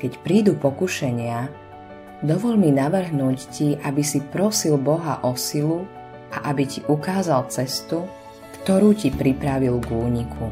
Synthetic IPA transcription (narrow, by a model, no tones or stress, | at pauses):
kɛcpɾiːd̪upɔkuʃɛɲɪa | d̪ɔʋɔʎminaʋr̩ɦnuːcciʔabisipɾɔsilbɔɦa̰ʔɔsilu | ʔaʔabiciʔukaːzalt͡sɛst̪u | kt̪ɔɾuːcipɾipɾaʋilɡuːɲikʰu